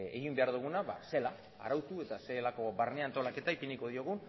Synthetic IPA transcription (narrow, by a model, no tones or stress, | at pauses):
e̞̰ɣimbe̞aɾðuɣ̞unaβa̰se̞la̰ː | ɾawt̪ue̞t̪ase̞lako̞barneant̪o̞lake̞t̪aipiniko̞ð̞io̞ɣ̞un